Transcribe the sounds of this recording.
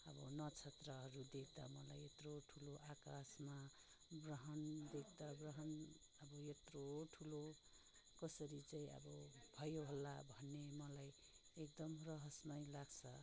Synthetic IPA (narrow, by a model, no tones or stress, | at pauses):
ʌbʌnʌt͡sʰet̪rʌɦʌɾud̪ekʰd̪amʌlajet̪roʈʰuloʔakasma | brʌɦʌnd̪ek̚ʰd̪abrʌɦʌn | ʌbʌet̪roʈʰulo | kʌsʌɾit͡saĩʌ̰bʌbʱʌjoɦolːabʱʌnːemʌlajek̚d̪ʌmrʌɦʌsmʌjlaɡt͡sʰʌ